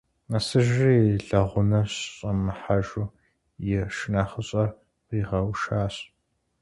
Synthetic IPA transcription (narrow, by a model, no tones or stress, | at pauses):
ɐsɨʒijeɬɐʁʷʊnɐɕɕʼɐmɨħaʒu | jɪʃɪnaːχəɕʼɐr | qiːʁɐwʃaːɕʼ